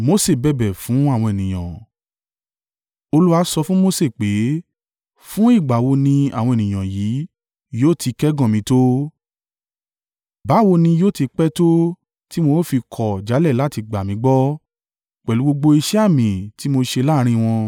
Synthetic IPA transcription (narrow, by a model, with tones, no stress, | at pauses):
mo˦se˦˨bɛ˦˨bɛ˨fũ˨˦a˦˨w̃ɔ̃˧e˨nĩ˨j̃ã˨ | o˧lu˦a˧˦sɔ˧fũ˦mo˦se˦˨k͡pe˨˦ | fũ˦i˦˨ɡ͡ba˨wo˧nĩ˧a˨w̃ɔ̃˧e˨nĩ˨j̃ã˨ji˨˦ | joː˦˨tʰi˧kɛ˦ɡɔ̃˦˨mĩ˧˦to˦ | ba˨˦˨wo˧nĩ˧joː˦˨ti˧k͡pɛ˦to˦ | ti˦mo˧˦fi˧kʰɔ˨d͡ʒa˨˦lɛ˦˨la˦ti˧ɡ͡ba˨mĩ˨˦ɡ͡bɔ˦ | k͡pɛ˨lu˨˦ɡ͡bo˧ɡ͡bo˧i˧ʃɛ˦a˦˨mĩ˨ti˨˦mo˧ʃe˧laː˦˧ɾ̃ĩ˧w̃ɔ̃˧